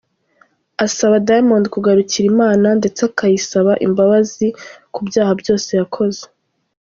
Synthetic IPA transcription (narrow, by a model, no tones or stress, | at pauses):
asaβadajmondkuɡaɾuciɾimaːnande̞t͡seakajisaβaʔḭmbaβazikubjaːhabjo̞ːse̞jakʰo̞ze̞̥